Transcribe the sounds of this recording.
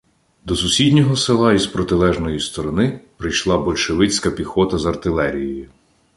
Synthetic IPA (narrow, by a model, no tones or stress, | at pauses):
d̪ɔsʊsʲidʲnʲɔɦɔsɪlˠɑizpɾɔt̪ɪlˠɛʒnɔjist̪ɔɾɔnɪpɾɪjʃlˠɑbɔlʲʃeʋɪt͡sʲkɐpʲixɔt̪ɐzɐrt̪ɪlˠɛɾʲijɔjʊ